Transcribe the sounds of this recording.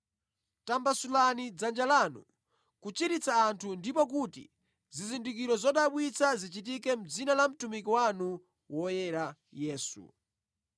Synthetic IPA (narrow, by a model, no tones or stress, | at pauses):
tambasulanid͡zand͡ʒalaːnṵ | kut͡ʃiɾit͡saːntʰundipɔk̬utḭ | zizindik̬iɾɔzɔɗaɓwit͡sʰazit͡ʃitikɛm̩d͡zinalam̩tumik̬iwanu | wɔjɛɾa | jɛːsṵ